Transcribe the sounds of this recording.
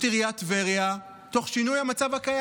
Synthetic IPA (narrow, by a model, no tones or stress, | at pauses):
tiʁijatveʁja | to̞χʃinujhamat͡savhakaj